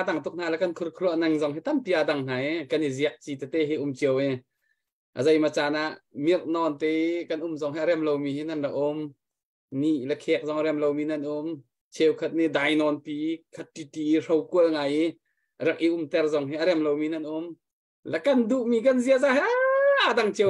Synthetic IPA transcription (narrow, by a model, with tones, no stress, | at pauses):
a˧d̪a˧˨ŋt̪ʊ˧k̚n̥aː˧lɛ˧kɐ˧nkʰʊ˧rkʰlu˧əʔna˧ŋzɔ˧ŋɦi˦t̪ampi˧ʔa˧da˧ŋn̥a˨ɛkɐ˧nizi˧əʔ̚t͡si˧t̪ɛ˧t̪ɛ˧ɦi˧ʔʊ˧mt͡ɕi˧ə˧wɛ | ʔə̰zɐ˧jma˧t͡saː˧na˧ʔmi˧rnɔ˧nt̪ɛ˧kɐ˧nʔʊ˨mzɔ˧ŋɦi˧ʔa˧ɾɛ˧mlo˧wmiː˧ɦi˦na˧˨nraʔʊ˧m | ni˧˨ʔlɛ˧kʰɛː˧k̚zɔ˧ŋɾɛ˧mlo˧wmiː˧nɐ˧nʔʊ˧m | t͡ʃʰɛ˧wkʰɐ˧t̪̚ni˧da˧˨jnɔ˧npi˧kʰat̪̚ːi˧t̪i˨ro˧wku˧əlŋa˧ji | rɛ˧k̚ʔi˧ʔʊ˧mt̪ɛ˧rzɔ˧ŋɦi˦ʔaɾɛ˧mlo˧wmi˧nɐ˧nʔʊ˧˦m | lɛ˨kɐ˨ndu˧˨ʔmiː˧kɐnzi˧əʔzaːɦiaʔada˧ŋt͡ɕiə